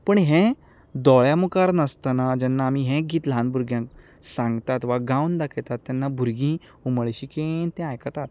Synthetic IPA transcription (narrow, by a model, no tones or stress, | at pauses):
pəɳɦẽ | d̪ɔɭjamukaɾnəst̪anad͡ʑɛnːaːmiːɦẽɡiːt̪lãnbʱuɾɡjãk | sãŋɡt̪at̪ʋaɡawnd̪akʰet̪at̪ːɛnːabʱuɾɡĩ | uməɭɕikent̪ɛ̃ajkat̪at̪